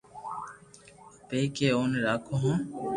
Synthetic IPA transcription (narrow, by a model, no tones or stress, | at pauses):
peːkeːoːnɾaːkʰoːɦõː